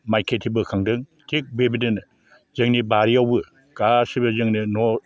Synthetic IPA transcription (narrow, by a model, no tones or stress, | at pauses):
majkʰetʰibɯkʰaŋdɯŋ | tʰik̚bebiden | zɯŋnibaɾiawbɯ | kasibɯzɯŋnɯnɔ